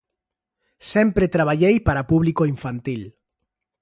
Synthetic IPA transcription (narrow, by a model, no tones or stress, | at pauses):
sempɾet̪ɾaβ̞aʎejpaɾapuβlikoiɱfant̪il